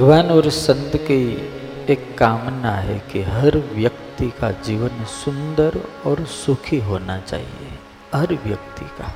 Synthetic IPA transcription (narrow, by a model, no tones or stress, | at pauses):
ʋaːnɔɾsə̃nd̪ki | eːkːaːmnaɦɛkiɦɐɾʋjəkt̪ikad͡ʒiːʋənsʊ̃nd̪əɾɔːɾsʊkʰiɦoːnat͡ʃa̰ːɦḭḛ | ɦɐɾʋjəkt̪ḭka̰